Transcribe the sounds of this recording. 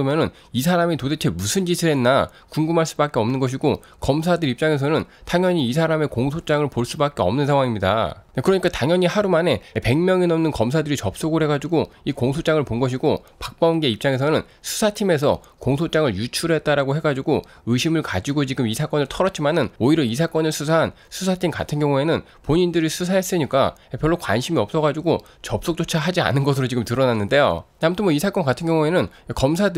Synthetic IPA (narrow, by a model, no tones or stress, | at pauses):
mjʌnɯn | isʰaɾamitodet͡ɕʰe̞musʰɯnd͡ʑisʰɯɾɦe̞nːa | kuŋɡumɦaɭs͈ubak͈eʌmnɯnɡʌɕ̬ʰiɡo | kʌms̬ʰadɯɾip̚t͡ɕ͈aŋe̞s̬ʰʌnɯntaŋjʌɲiːsʰaɾame̞koŋsʰot͡ɕ͈aŋɯɭpoɭs͈ubak͈e̞ʌ̰mnɯnsʰaŋwaŋimɲida̰ekɯɾʌɲik͈ataŋjʌɲiɦaɾumane̞pe̞ŋmjʌŋinʌmnɯnkʌms̬ʰadɯɾit͡ɕʌp̚s͈oɡɯɭɦe̞ɡad͡ʑiɡo | ikoŋsʰot͡ɕ͈aŋɯɭponɡʌɕ̬ʰiɡopak̚p͈aunɡe̞ip̚t͡ɕ͈aŋe̞s̬ʰʌnɯn | sʰu̥sʰatʰime̞s̬ʰʌ̰ | koŋsʰot͡ɕ͈aŋɯɭjut͡ɕʰuɾɦe̞t̚t͈aɾaɡoɦe̞ɡad͡ʑiɡo | ɯɕʰimɯɭkad͡ʑiɡot͡ɕiɡɯmisʰak͈ʌnɯɭtʰʌɾʌt͡ɕ͈ʰimanɯnoiɾʌis̬ʰak͈ʌnɯɭsʰusʰaɦan | sʰusʰatʰimka̰tʰɯnɡjʌŋue̞nɯn | poɲindɯɾisʰusʰaɦes͈ɯɲik͈a̰epjʌɭːokwa̰nɕʰimiʌp̚s͈ʌɡad͡ʑiɡo | t͡ɕʌp̚s͈ok̚t͡ɕ͈ot͡ɕʰaɦad͡ʑia̰nɯnɡʌs̬ʰɯɾot͡ɕiɡɯmtɯɾʌnanːɯnde̞jo̰ | amutʰɯnmwoʌisʰak͈ʌnkatʰɯnɡjʌŋue̞nɯn | kʌmsʰad